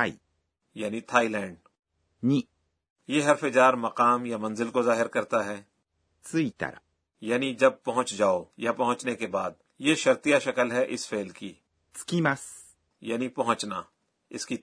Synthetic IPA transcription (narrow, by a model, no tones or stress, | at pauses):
ai | jaːnit̪ʰaːilɛ̃ːɳɖ | ɲi | jeɦɐɾfed͡ʒaːɾmɐqaːmjamɐ̃nzɪlkozaːɦɪɾkɐɾt̪aɦɛː | t͡sɨit̪a̰ɾa̰ | jaːnid͡ʒɐb̚pɐɦʊ̃t͡ʃd͡ʒaːojapɐɦʊ̃t͡ʃnekebaːd̪̚ | jeʃɐɾt̪ijaʃɐkəlɦɛʔɪsfeːlki | t͡sɨ̥kimas | jaːnipɐɦʊ̃t͡ʃna | ɪski